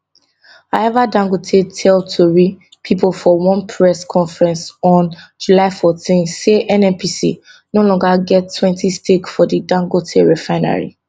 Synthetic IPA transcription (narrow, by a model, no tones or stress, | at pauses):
aɛvadãŋɡotʰetʰɛltʰuɹi | pʰiplfɔwɔ̃npʰɹɛskʰɔ̃nfɹɛ̃nsɔ̃nd͡ʒulaɪfɔtĩnseʔɛ̃nɛ̃npʰisḭ | nolɔ̃ŋɡaɡɛtʰːwɛ̃ntʰistekfɔdidãŋɡotʰeɹɛfãɪna̰ɹḭ